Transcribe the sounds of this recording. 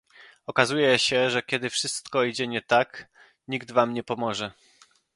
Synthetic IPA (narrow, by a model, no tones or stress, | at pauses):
ɔkazujɛɕɛʐɛkʲɛd̪ɘfʂɘst̪kɔid͡ʑɛɲɛt̪ak | ɲiɡd̪vamɲɛpɔmɔʐɛ